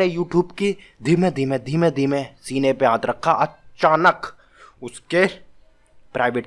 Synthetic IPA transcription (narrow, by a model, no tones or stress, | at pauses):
ejuːʈjuːbki | d̪ʱimẽd̪ʱimẽd̪ʱimẽd̪ʱimesiːnepejãːd̪ɾɐkʰːaʔɐt͡ʃaːnək | ʊske | pɾʔaːɪʋeːʈ